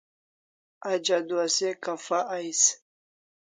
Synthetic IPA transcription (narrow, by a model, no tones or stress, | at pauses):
ad͡ʒad̪uasekafaʔajs